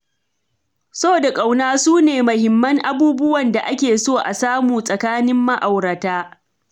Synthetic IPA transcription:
so˦˨da˨kʼa˨wnaː˦suː˦neː˨mɐ˨hɪ˨mːɐ˦ŋʔa˦buː˦bʊ˦wɐ˨nda˨ʔa˦kʲeː˨soː˦˨ʔa̰˨saː˦muː˨sʼɐ˨kaː˦nɪ˦mːɐ˦ʔa˨wɾɐ˨taː˦

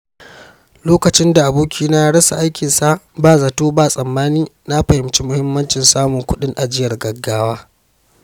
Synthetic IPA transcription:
loː˦kɐ˨t͡ʃɪ˦nda˨ʔa˨buː˦kʲʰiː˦na˦ja˦ɽɐ˦sa̰˨ʔa˦jkʲɪ˨nsa˦baː˦˨za˨toː˦baː˦˨sʼɐ˨mːaː˦niː˦na˦ɸɐ˨hɪ˨mt͡ʃi˦mʊ˦hɪ˦mːɐ˦nt͡ʃɪ˨nsaː˦mʊ˨ŋkʷʊ˦ɗɪ˦ŋʔa˨d͡ʒɪ˦jɐ˨rɡɐ˨ɡːaː˦waː˦

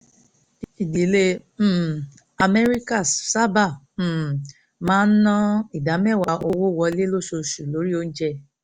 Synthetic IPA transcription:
i˨di˨˦le˧˦˨ | a˨me˦ɾi˦ka˦˨sa˦ba˦˨ | mãː˦n̩˦nɔ̃˦i˨da˨˦mɛ˦˨wa˨ʔo˦wo˦˨wɔ˧˦le˦lo˦so˧su˨lo˨˦ɾi˦o˦n̩˦d͡ʒɛ˦

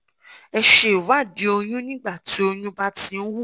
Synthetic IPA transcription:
ɛ˧ʃe˨wa˦˨di˨˦o˧j̃ũ˦nĩ˦ɡ͡ba˦˨ti˨˦o˧jũ˦ba˦ti˦n̩˦wu˦˨

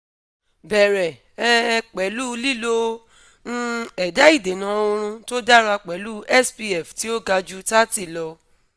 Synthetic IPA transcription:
bɛ˨ɾɛ˨ | ɛ˦˧k͡pɛ˨˦lu˦li˦˨lo˧ | ñ̩˦ɛ˨da˨˦i˦˨de˨nã˨˦o˧ɾ̃ũ˧to˦da˦ɾa˧k͡pɛ˨˦lu˦ɛ˦˨spi˧ɛ˨fti˨˦o˦ɡa˧d͡ʒu˦ta˦ti˦˨lɔ˧

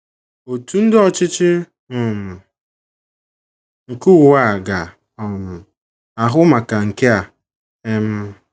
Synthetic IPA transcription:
o˨tu˦n̩˦dɪ˦ɔ˨t͡ʃɪ˦t͡ʃɪ˦ | ɔ˨m̩˨ | ŋ̩˨ku˦wwa˦˨ɡa˨ | ɔ˨m̩˨ | a˨ɦʊ˦ma˨ka˨ŋ̩˨ke˦a˨ | e˦m̩˦

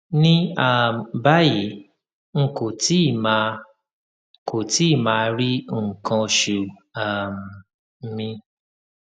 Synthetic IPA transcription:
nĩ˦a˨m˨ba˦ji˨˦ | ŋ̩˦ko˨ti˦˨ma˧ | ko˨ti˦˨mãː˧˦ɾi˦˨ŋ̩˨kʰɔ̃˧ʃu˨a˨m̩˨˦ | mĩ˧

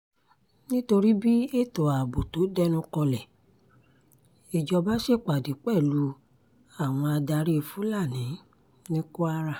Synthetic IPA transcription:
nĩ˦to˧ɾi˦bi˦e˦˨tɔ˨a˨bo˨to˨˦dɛ˦nũ˦kɔ˧lɛ˨ | i˨d͡ʒɔ˧ba˦ʃe˦˨k͡pa˨di˨˦k͡pɛ˦˨lu˨˦ | a˦˨w̃ɔ̃˧a˧da˧ɾi˦˧˨fu˨˦la˦˨nĩ˨˦ | nĩ˦ko˦a˦ɾa˦˨

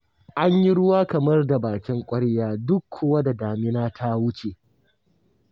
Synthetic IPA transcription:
ʔa˦ɲji˦ɽʊ˦waː˦kɐ˨mɐ˦rda˨baː˨kʲɪ˦ŋkʷʼɐ˦ɽjaː˦˨dʊ˦kʰːoː˦wa˦da˨daː˨mɪ˦naː˦tʰa˦wʊ˦t͡ʃe˨

